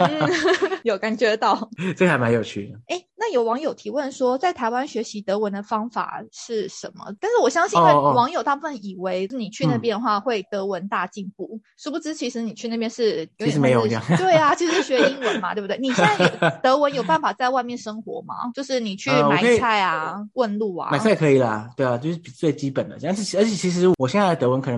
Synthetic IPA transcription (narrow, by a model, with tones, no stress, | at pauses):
n̩˥˩jo˨˩ʊka˨˩nt͡ɕɥɛ˧˥t̪ɑ˥˩ʊ˥˧xa˧˥ma˧˦njo˨˩t͡ɕʰy˥˩e˥˩ɪna˥˩jo˨˩ʊwɑ˧˥ŋjo˨ʊt̪ʰi˧˥wə˥˩nʂwɔ˥t͡sa˥˩ɪt̪ʰa˧˥ɪwa˥nɕɥɛ˧˥ɕi˧˥t̪ɤ˧˥wə˧˦nd̪ə˨fɑ˥ŋfa̰˨˩ʂɻ̩˥˩ʂə̰˧˥nmə̰˨t̪a˥˧nʂɻ̩˥˩wɔ˨˩ɕjɑ˥ŋɕi˥˧˥wɑ˧˥ŋjo˨˩ʊt̪a˥˧pu˥˩fə˥˩ni˨˩we˧˥ɪʂ̩˥˩ni˨˩t͡ɕʰy˥˧nə˨˩pjɛ˥˧nxwa˥˧xwe˥˩ɪt̪ɤ˧˥wə˧˦nt̪a˥˧t͡ɕi˥˧npu˥˩ʂɻ̩˥˩pu˧ʈ͡ʂɻ̩˥t͡ɕʰi˧˥ʂɻ̩˧˥ni˨˩t͡ɕʰy˥˧na˥˩pjɛ˥nʂɻ̩˥˩jo˧˦˧jɻme˧˥ɪjt̪we˥˩ɪa˩t͡ɕʰi˧˥ʂʂ̩˥˩ɕɥɛ˧˥i˥nwə˧˥˦nma˧t̪we˥˧bt̪we˥˩˧ni˨˩˥o˨˩t̪ɤ˧˥wə˧˦˥njo˨˩ʊpa˥˩nfa˨˩t͡sa˥˧ɪwa˥˧ɪmjɛ˥˩nʂə˥ŋxwɔ̰˧˥ma̰˨t͡ɕjo˥˧ʊʂɻ̩˥˩ni˨˩t͡ɕʰy˥˩mwa˨˩˥a˥˩ɪa˩wə˥˧nlu˥˩a̰˩ma˨˩ɪa˥˩ɪkʰɤ˧˥i˨˩lɐ̰˩t̪we˥˩ɪa˨t͡ɕo˥˧ʊʂɻ̩˥˩i˨˩˧t͡swe˥˩ɪt͡ɕi˥pə˨˩nd̪ə̰˦˥˧ʂ̩˥˩˧ə˞˧˥t͡ɕʰjɛ˨˩t͡ɕʰi˧˥ʂ̬ɻ̩˧˥wɔ˨˩ɕjɛ˥˧nt͡sa˥˧˩ə˩t̪ɤ˧˥wə˧˦nkʰɤ˨˩ə˧˦